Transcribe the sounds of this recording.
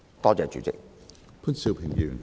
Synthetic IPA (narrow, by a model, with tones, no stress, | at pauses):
t̪ɔː˥t͡sɛː˨˧t͡ʃy̰ː˨˥t͡sɪ̰˧k̚ | pʰʊ˥nsi˧wpʰɪ˨˩ŋjy̰ː˨˩n